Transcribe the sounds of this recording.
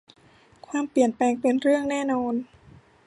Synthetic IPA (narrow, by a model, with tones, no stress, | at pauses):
kʰwaː˧mpli˨˩ənplɛː˧ŋpe˧nɾɯ˥˩əŋnɛː˥˩nɔː˧n